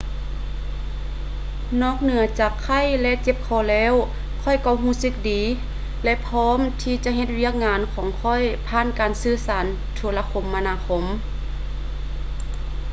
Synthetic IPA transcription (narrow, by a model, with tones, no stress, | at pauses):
nɔː˧˥˨k̚nɯ˨˩˦ɐt͡ɕaː˨˩kʰːa˧˥˨jlɛ˧ʔt͡ɕe˧p̚kʰɔː˧˩lɛː˧˥˨w | kʰɔ˧˩˨jkɔ˧˩ɦuː˧˩˨sɯ˧k̚diː˨˦ | lɛ˧ʔpʰɔː˧˥˨mt̪ʰiː˧t͡ɕa˧˦ʔɦe˧t̪̚wi˧˥˩ək̚ŋaː˧˥nkʰɔː˨˦ŋkʰɔ˧˥˨jpʰaː˧˥˨nkaː˨nsɯː˧˥saː˨˦n | t̪ʰu˧˦la˧kʰo˨˧˦mːa˧naː˧˥kʰo˧˥m